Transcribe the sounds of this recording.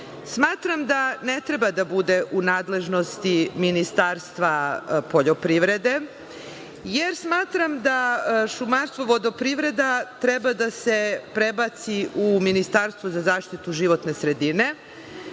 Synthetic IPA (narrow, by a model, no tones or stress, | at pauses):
smaːt̪ɾamd̪anet̪ɾe̞bad̪abud̪e̞ʔunaːd̪le̞ʒno̞st̪iminist̪aːɾst̪ʋapoʎopɾiʋɾe̞d̪e̞ | jeɾsmaːt̪ɾamd̪aʃumanst̪ʋoʋod̪opɾiʋɾe̞d̪at̪ɾebad̪ase̞pɾebat̪siʔuminist̪aɾst̪vozazaːʃt̪it̪uʒiʋo̞t̪ne̞sɾe̞d̪ine̞